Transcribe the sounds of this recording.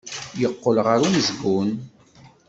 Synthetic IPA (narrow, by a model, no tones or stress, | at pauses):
jəqːolʁəɾunzɡun